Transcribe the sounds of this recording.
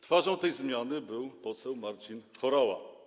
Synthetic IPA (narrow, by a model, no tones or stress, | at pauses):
t̪faʐɔ̃w̃t̪ɛjzmʲjanɘbɘwpɔsɛwmaɾt͡ɕinxɔɾawa̰